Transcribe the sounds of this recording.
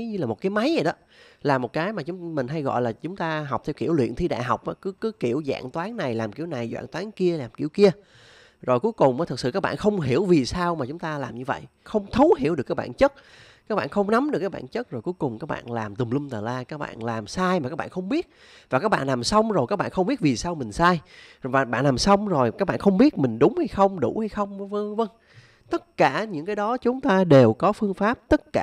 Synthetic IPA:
ɲɨ˧laː˨˩mo˨t̚kːaː˨˦jma˨˦jzə˨˩ɗɔ˨˦ | laː˨˩mo˨˩t̚kaː˨˦jmaː˨˩t͡ɕʊ˨˦ŋ͡mmï˨˩ŋ̟ɦa˧jɣɔ̰˧˨jlaː˨˩t͡ɕʊ˨˦ŋ͡mt̪aː˧ɦa˨˩k͡p̚t̪ʰwkḭ˧˩əwlwḭ˧˨ənt̪ʰi˧ɗa̰ː˧˨ɦa˨˩wk͡p̚ʔaː˨˦kɨ˨˦kɨ˨˦ki˧˩əwza̰ː˧˨ŋt̪waː˨˦nna˨˩jlaː˨˩mki˧˩əwna˨˩jzwa̰ː˧˨ŋt̪waː˨˦ŋki˧əlaː˨˩mki˧˩əwki˧ə | zo˨˩jku˨˦jkʊ˨˩ŋ͡mʔɔ˨˦t̪̚ʰsɨ̰˧˩kaː˦˥ɓa̰ː˧˨nxə˧wŋ͡mɦi˧˩əwvi˨˩saː˧wmaː˨˩t͡ɕʊ˨˦ŋ͡mt̪aː˧laː˨˩mɲɨ˧və̰˧˨jʔ | xə˧wŋ͡mt̪ʰə˨˦whi˧˩˨əwɗkaː˦˥k̚ɓa̰ː˧˨nt͡ɕə˦˥t̚ | kaː˦˥k̚ɓa̰ː˧˨nxə˧wŋ͡mna˨˦mɗɨ˨˩kːaː˦˥ɓa̰ː˧˨nt͡ɕə˦˥t̚zo˨˩jku˨˦jkʊ˨˩ŋ͡mkaː˦˥k̚ɓa̰ː˧˨nlaː˨˩mt̪ɨ˨˩ŋ͡mlɨ˧ŋ͡mt̪aː˨˩laː˧kaː˦˥k̚ɓa̰ː˧˨nlaː˨˩msaː˧jma˨˩kaː˦˥k̚ɓa̰ː˧˨nxə˧ŋ͡mɓi˦˥ət̚ | vaː˨˩kaː˦˥k̚ɓa̰ː˧˨nlaː˨˩msə˧wŋ͡mzo˨˩jkaː˦˥k̚ɓa̰ː˧˨nxə˧wŋ͡mɓi˦˥t̚vi˨˩saː˧wmï˨˩ŋ̟saː˧jvaː˨˩ɓa̰ː˧˨nlaː˨˩msə˧wŋ͡mzo˨˩jkaː˦˥k̚ɓa̰ː˧˨nxə˧wŋ͡mɓi˦˥ət̚mï˨˩ŋ̟ɗʊ˨˦ŋ͡mha˧jxə˧wŋ͡mɗu˧˩ha˧jxə˧wŋ͡mvə˧və˧ŋ | t̪ə˦˥t̚kaː˧˩ɲɨ̰˧˥ŋkaː˨˦jɗɔ˨˦t͡ɕʊ˨˦ŋ͡mt̪aː˧ɗe˨˩wkɔ˨˦fɨ˧əŋfaː˦˥p̚t̪ə˦˥t̚kaː˧˩

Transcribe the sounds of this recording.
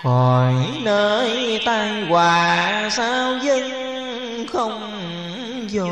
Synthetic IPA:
vɔ˨˩jnəː˧˩jt̪a˧jkwaː˩˨˩saː˧wzə˧ŋ | xə˧wŋ͡m | zɔ˧˩

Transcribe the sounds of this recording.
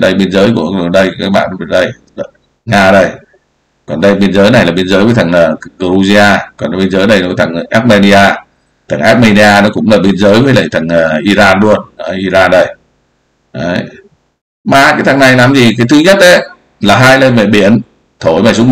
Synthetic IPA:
ɗə˧jɓi˧ənzəː˨˦jku˧˩əɗɨ˨˩ɗə˧jkaː˦˥k̚ɓa̰ː˧˨nɗɔ˨˦˨ɗə˧j | ɗ | ŋaː˧ɗə˧˩j | kɔ˨˩nɗə˧jɓi˧ənzəː˨˦jna˨˩jlaː˨˩ɓi˧ənzəː˨˦jvəː˨˦jt̪ʰa˨˩ŋəː˨˩ɣə˧u˧zi˧aː˧kɔ˨˩n˨˦ɓi˧ənzəː˨˦jɗə˧jnɔ˨˦˨t̪ʰa˨˩ŋ˨ʔaː˦˥t̚me˧ni˧ʔaː˧ | t̪ʰə˨˩ŋʔaː˦˥t̚mi˧ni˧aː˧nɔ˨˦kʊ̰˧˥ŋ͡mlaː˨˩ɓi˧ənzəː˨˦jvəː˨˦jlə˨˩jt̪ʰə˨˩ŋː˨˩ʔi˧zaː˧nlu˧ənə˨˧˦ʔi˧zaː˧nɗə˧˩j | ʔə˨˦j | maː˨˩kaː˨˦jt̪ʰa˨˩ŋna˨˩jlaː˨˩mzi˨˩kaː˨˦jt̪ʰɨ˨˧˦ɲə˦˥t̚ʔə˨˦j | laː˨˩ɦaː˧jlə˧mɛ̰˧˨ɓi˧˩˨ən | t̪ʰo˧˨˩jmaː˨˩sʊ˦˥k͡p̚

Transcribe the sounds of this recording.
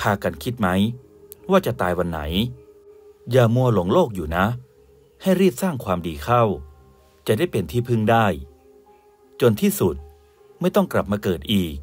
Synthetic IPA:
pʰaː˧ka˧nkʰi˦˥t̪̚ma˦˥j | waː˥˩t͡ɕa˨˩t̪aː˧jwa˧nːa̰˩˦j | jaː˨˩mu˧ɐlo˩˦ŋloː˥˩k̚juː˨˩na˦˥ | ha˥˩jɾiː˥˩p̪̚saː˥˩ŋkʰwaː˧mdiː˧kʰa˥˩w | t͡ɕa˨˩da˥˩jpe˧nt̪ʰiː˥˩pʰɯ˥˩ŋdaː˥˩j | t͡ɕo˧nt̪ʰiː˥˩su˨˩t̪̚ | ma˥˩jt̪ɔ˥˩ŋkɾa˨˩p̚maː˧kɤː˨˩t̪̚ʔiː˨˩k̚

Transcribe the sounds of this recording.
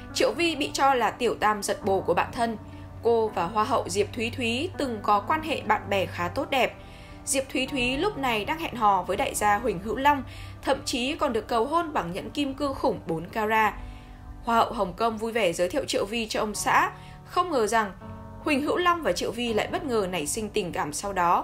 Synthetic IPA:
t͡ɕḭ˧˨əwvi˧ɓḭ˧˨t͡ɕɔ˧laː˨˩t̪i˧˩əwt̪aː˧˩mzə˨˩t̚ɓo˨˧˩ku˧˩əɓa̰ː˧˨nt̪ʰə˧n | ko˧vaː˨˩ɦwaː˧ɦə̰˧˨wzi˨˩əp̚t̪ʰwi˨˦t̪ʰwi˨˦t̪ɨ˨˩ŋkɔ˨˦kwaː˧nɦḛ˧˨ɓa̰ː˧˨nɓɛ˧˩xaː˨˦t̪o˦˥t̚ɗɛ˨˩p̚ | zi˨˩əp̚t̪ʰwi˨˦t̪ʰwi˨˦lʊ˦˥p̚na˨˩jɗaː˧ŋhɛ̰˧˨nɦɔ̰˧˩vəː˨˦jɗa̰ː˧˨jzaː˧ɦwï˨˩ŋ̟ɦɨ̰˧˥wla˧wŋ͡m | t̪ʰə̰˧˨mt͡ɕi˨˦kɔ˨˩nɗɨ˨˩ək̚ːə˨˩wɦo˧nɓaː˧˩ŋɲə̰˧˥nki˧mkɨ˧xʊ˧˩ŋ͡mɓo˨˦nkaː˧zaː˧ | hwaː˧hə̰˧˨wɦə˨˩wŋ͡mkə˧wŋ͡mvu˧jve˧˩zəː˨˦jt̪ʰi˧ə˨w̚t͡ɕḭ˧˨əwvi˧t͡ɕɔ˧ʔə˧wŋ͡msa̰ː˧˥ | xə˧wŋ͡mŋəː˨˩za˨˩ŋ | hï˨˩ŋ̟ɦɨ̰˧˥wla˧wŋ͡mvaː˨˩t͡ɕḭ˧˨əwvi˧la̰ː˧˨jɓə˦˥t̚ŋəː˨˩na˨˧˩jsï˧ŋ̟t̪ï˨˩ŋkaː˧˩msa˧wɗɔ˨˦

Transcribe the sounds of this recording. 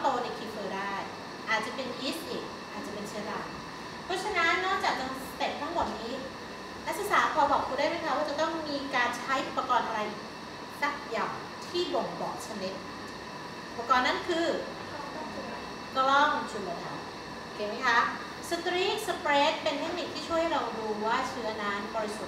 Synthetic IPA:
t̪oː˧ni˧˩kʰiː˧˥fʰɤː˧daː˥˩j | ʔaː˨˩t̪̚t͡ɕa˨˩pe˧nʔiː˦˥sʔiː˨˩k̚ | ʔaː˨˩t̪̚t͡ɕa˨˩pe˧nt͡ɕʰi˧˦ɾa˧˩ | pʰɔ˦˥t͡ɕʰa˧na˦˥nːɔː˥˩k̚t͡ɕaː˨˩k̚t͡ɕa˧ŋ | se˨˩t̪̚t̪ʰa˥˩ŋmɔː˨˩niː˦˥ | na˦˥k̚sa˧˨saː˩˦pʰɔː˧bɔː˨˩k̚kʰu˧ndaː˥˩jma˦˥jkʰa˦˥waː˥˩t͡ɕa˨˩t̪ɔ˥˩ŋmiː˧kaː˧nt͡ɕʰa˦˥jʔu˨˩pːa˧kɔː˧nʔa˧ɾa˧j | sa˨˩k̚ja˨˩w | t̪ʰiː˥˩bo˨˩˦ŋbɔː˨˩k̚t͡ɕʰa˧ni˦˥t̪̚ | pːkɔː˧˩nːa˦˥nkʰɯː˧˥˩ | a˨˩ | klɔ˥˩m˧t͡ɕʰu˧˩moː˨˩t̪̚la˦˩ | ʔʔo˧˩kʰeː˧ma˦˥jkʰa˦˥ | sa˧t̪ɾiː˦˥˩sa˧pɾeː˦˥t̪̚pe˧nt̪ʰe˦˥k̚ni˨˩k̚t̪ʰiː˥˩t͡ɕʰu˥˩ha˥˩ɾa˧wduː˧waː˥˩t͡ɕʰɯ˦˥ɐna˦˥nbɔː˧ɾi˦˥su˨˩t̪̚

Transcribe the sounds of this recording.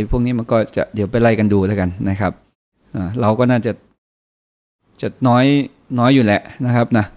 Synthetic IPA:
pʰu˥˩kniː˦˥ma˧nkɔː˥˩t͡ɕa̰˨˩ʔdi˩˦wpa˧jla˧˩jka˧nduː˧laː˦˥jka˧nna˦˥kʰa˦˥p̚ | ʔaː˧˩ɾa˧wkɔː˥˩naː˥˩t͡ɕa˨˩ | t͡ɕa˨˩nɔː˦˥j | nɔː˦˥jːuː˨˩lɛ˨˩ʔna˦˥kʰa˦˥p̚na˦˥

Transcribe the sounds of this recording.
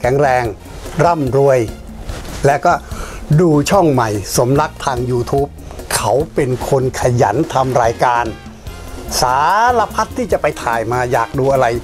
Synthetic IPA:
kʰɛː˩˦ŋɾɛː˧ŋ | ɾa˥˩mɾu˧əj | lɛː˦˥wkɔː˥˩duː˧t͡ɕʰɔ˥˩ŋma˨˩jso˩˦mna˦˥k̚t̪ʰaː˧ŋjuː˧t̪ʰuː˦˥p̚ | kʰa˦˥wpe˧nkʰo˧nkʰa˧ja̰˩˦nt̪ʰa˧mɾaː˧jkaː˧n | saː˩˦la˧pʰa˦˥t̪ʰːiː˥˩t͡ɕa˨˩pa˧jt̪ʰaː˨˩jmaː˧jaː˨˩k̚duː˧ʔa˧ɾa˧j

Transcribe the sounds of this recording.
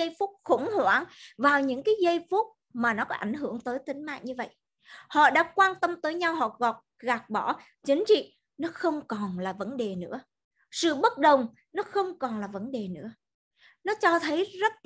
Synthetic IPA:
ə˧jfu˦˥k͡p̚xʊ̰˧˩ŋ͡mhwaː˧˩˦ŋvaː˨˩wɲɨ̰˧˥ŋkaː˨˦jɣə˧jfu˦˥t̚ | maː˨˩nɔ˨˦kɔ˨˦ʔa˧˩jŋ̟ɦɨ̰˧˩əŋt̪əː˨˦jt̪ï˨˦ŋ̟ma̰ː˧˨ɲɨ˧və̰˧˨j | hɔ̰˧˨ɗa̰ː˧˥kwaː˧nt̪ə˧mt̪əː˨˦jɲa˧wɦɔ̰˧˨ɣɔ˨˩p̚ɣaː˨˩k̚ɓɔ˧˩ | t͡ɕï˨˦ŋ̟t͡ɕḭ˧˨ | nɔ˨˦xə˧wŋ͡mkɔ˨˩nlaː˨˩və˨˦nɗe˨˩nɨ̰˧˥ə | sɨ̰˧˨ɓə˦˥t̚ɗə˨˩wŋ͡m | nɔ˨˦xə˧wŋ͡mkɔ˨˩nlaː˨˩və˨˦nɗe˨˩nɨ̰˧˥ə | nɔ˨˦t͡ɕɔ˧t̪ʰə˨˦jzə˦˥t̚

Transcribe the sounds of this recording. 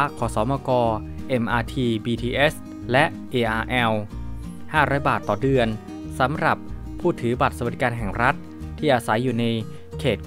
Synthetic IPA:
kʰɔː˩˦sɔː˩˦mɔː˧kɔː˧ | ʔe˧mʔaː˧t̪ʰiː˧biː˧t̪ʰiː˧ʔe˦˥s | lɛ˦˥ʔʔeː˧ʔaː˧ʔɛ˧w | haː˥˩ɾɔː˦˥jbaː˨˩t̪ːɔː˨˩dɯ˧ən | sa˩˦mɾa˨˩pʰː | uː˥˩t̪ʰɯː˩˦ba˨˩t̪̚sa˧ba˩i˦kaː˧nɦɛ˨˩ŋɾa˦˥t̪̚ʰː | iː˥˩ʔaː˧sa˩˦jːuː˨˩na˧j | kʰeː˨˩t̪̚

